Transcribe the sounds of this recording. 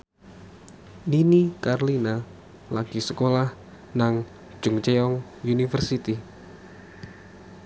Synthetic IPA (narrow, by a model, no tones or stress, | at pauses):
ninikarlina | laɡ̥isəkolah | naŋ̥ | d͡ʒ̥ʊŋt͡ʃeɔŋ | junifərsit̪i